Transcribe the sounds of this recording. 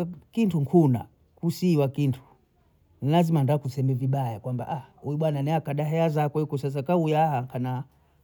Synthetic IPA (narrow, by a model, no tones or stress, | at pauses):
kintuŋkʰuna̰ | kusiwakintʰu̥ | nilazimandakusɛmɛviɓajakwamba̰ʔaujuɓwananɛakaɗaɦɛazakwɛikɔsas̬akaujaahaŋkʰana